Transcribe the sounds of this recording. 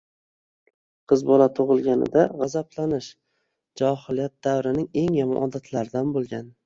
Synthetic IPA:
qʰɨzbɒlat̪ʰoʁɨlˠɡʲanɪ̰d̪aʁɑzablanɪʃ | d͡ʒɒhɪlijat̪̚d̪̥awɾɪnɪŋe̞ŋjamɒ̰nʔɒd̪at̪ʰlaɾɪd̪anbolˠɡʲan

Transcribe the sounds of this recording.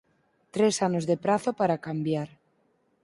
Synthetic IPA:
t̪ɾesanozðepɾaθopaɾakambjaɾ

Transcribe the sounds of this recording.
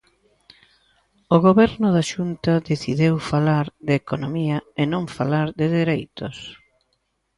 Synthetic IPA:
oɣoβɛɾnʊðaʃunt̪ɐðeθiðewfalaɾðekonomiɐenõɱfalaɾðɪðeɾejt̪ʊs

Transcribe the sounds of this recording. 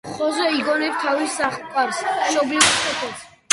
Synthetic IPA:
χɔzɛiɡɔnɛp̚t̪ʰavisːaχkʼwaɾsɛsɔbliɾkʰɛt̪ʰɛs

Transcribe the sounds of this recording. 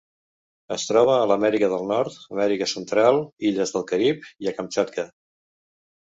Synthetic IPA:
əst̪ɾɔβ̞əːləmɛɾikəðəlˠnɔɾt̪əmɛɾikəsənt̪ɾalˠiʎəzðəlˠkəɾipiəkəmt͡ʃat̪kə

